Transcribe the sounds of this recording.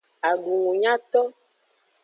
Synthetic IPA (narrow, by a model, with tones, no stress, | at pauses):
a˨ɡu˨ŋũ˨ɲã˦t̪ɔ˦